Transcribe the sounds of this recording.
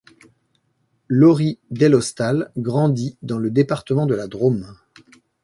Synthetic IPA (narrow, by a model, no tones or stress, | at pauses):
lɔʁid̪ɛlɔst̪alɡʁɑ̃d̪id̪ɑ̃ləd̪epaʁt̪əmɑ̃d̪əlad̪ʁom